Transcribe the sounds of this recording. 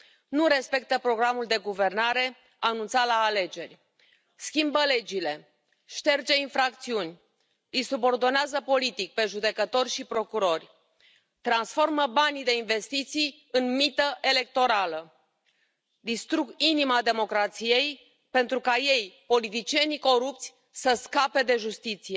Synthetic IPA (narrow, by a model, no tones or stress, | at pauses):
nuɾe̞spe̞k̚t̪əpɾo̞ɡɾamuld̪e̞ɡuve̞rnaɾe̞ | anunt̪salaːle̞d͡ʒe̞rʲ | skʲimbəle̞d͡ʒile̞ | ʃt̪e̞rd͡ʒe̞infɾakt̪siunʲ | isubo̞rd̪o̞neazəpo̞lit̪ik̚pe̞ʒud̪e̞kət̪o̞rʲʃipɾo̞kuɾo̞rʲ | t̪ɾansfo̞rməbanid̪e̞inve̞st̪it̪sij | ɨnmit̪əʔe̞le̞k̚t̪o̞ɾalə | d̪ist̪ɾuɡinimad̪e̞mo̞kɾat̪sije̞j | pent̪ɾukaje̞jpo̞lit̪it͡ʃije̞niko̞ɾup̚t̪sʲ | səskape̞d̪e̞ʒust̪it̪sije̞